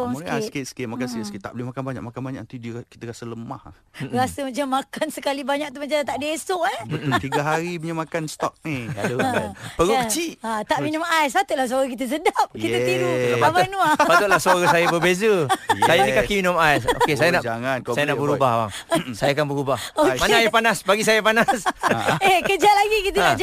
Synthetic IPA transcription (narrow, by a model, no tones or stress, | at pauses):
sket̪̚sə̥kɪmakansəskit̪a̰ʔbulɪhmakanbaɲa̰k̚makanbaɲaʔat̪idəki̥t̪əɾasələma̰ha | ɾasəmat͡ʃamːakansəkalibaɲak̚t̪umat͡ʃat̪aʔdesʊʔabət̪ʊlt̪iɡaɦaɾibəɲəmakanst̪ɔk̚nia | pəɾukət͡ʃiʔat̪aʔminʊ̃majsbat̪uʔlahs̬aɾakit̪əs̬ədap̚kiəiɾumabanũapat̪ʊʔ̪lahsaɾasajabəbezəsajanikakiminʊmajso̰kesajanaʔd͡ʒaŋanajanaʔbəɾubahba̰ŋsajakanbəɾubahokmanaajapanasbaɡisajapanasekəd͡ʒat̪̚laɡikit̪̬ənad͡ʒ